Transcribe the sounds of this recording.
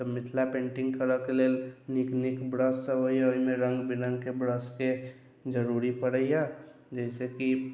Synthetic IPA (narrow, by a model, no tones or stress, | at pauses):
təmit̪ʰlapẽːɳʈĩŋɡkəɾəkeleːlniknikbɾəssəɦoiaoɦimẽɾə̃ŋɡbinə̃ŋɡkebɾəske | d͡ʒəɾuɾipəɽəjja | d͡ʒɛɪseki